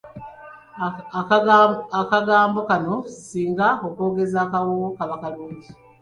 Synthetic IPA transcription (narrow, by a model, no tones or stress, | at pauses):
akaɡaːmbo̞kano̞siːŋɡaoko̞ːɡe̞zaːkawokaβakaluːɲɟi